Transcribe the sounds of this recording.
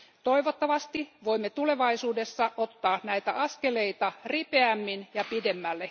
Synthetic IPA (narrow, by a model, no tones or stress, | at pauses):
t̪o̞iʋot̪ːɑʋɑst̪iʋoimːet̪ule̞ʋɑisuːdesːɑʔot̪ːɑːnæit̪æ̰ʔɑskeleit̪ɑripeæmːinjɑpidemːælːe